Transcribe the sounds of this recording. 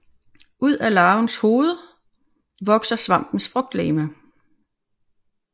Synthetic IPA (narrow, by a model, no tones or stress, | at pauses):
ʔuð̞̰ˠælɑ̈ːʊnsho̝ːð̞ˠə | ʋɒ̽ɡ̥sɐsʋɑ̈m̰b̥n̩sfʁɔɡ̥̚d̥lɛːmə